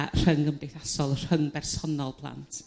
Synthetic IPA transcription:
r̥əŋəmdejθasɔlˠr̥həŋbɛrsɔnɔlˠpʰlˠa̰ntʰ

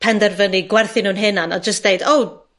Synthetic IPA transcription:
pʰɛndɛrvəniɡwɛrθɪnuːnɦɪnanad͡ʒəsd̥ejdow

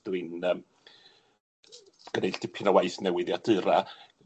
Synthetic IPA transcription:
d̥ɨnəːm | ɡ̥ənejɬd̥ɪpʰɪnawajθnɛwɪðjadɨɾa

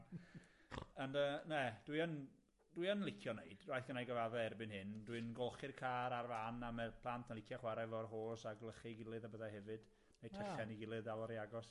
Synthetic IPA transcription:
ənəːnɛd̥wiən | d̥wiənlɪkʰjɔnejd̥rajθɡənajɡəvavɛɛrbɨnhɨndwɨnɡɔlˠχɪrkʰaːɾarvanamɛpʰlˠantʰənlˠɪkʰjaχwaɾɛvɔrɦoːsaɡlˠəχiɡɪlˠɨðabəðahɛvɨd̥ | nejtʰɛɬɛniɡɪlˠɨðalˠɔɾiaɡɔs

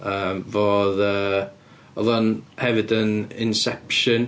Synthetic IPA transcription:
əːmvoːðəː | ɔðɔnhɛvɪdənɪnsɛpʃən

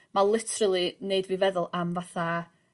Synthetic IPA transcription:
malˠɪtʰrəlˠineɨdvivɛðʊlˠamvaθa

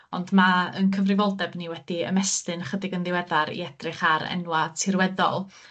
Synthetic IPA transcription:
ɔndmaə̰nkʰəvrɪvɔlˠdɛbniwɛd̥iə̰mɛstɨnχədɪɡənðɪwɛðaɾḭɛd̥rɨχaɾɛ̰nwatʰɪrwɛðɔ̰lˠ

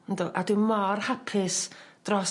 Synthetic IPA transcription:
nduːʔadɪmɔrhapʰɪsd̥rɔs

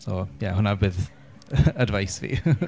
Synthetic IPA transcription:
sojahʊnabɨð | ədvajsvḭ

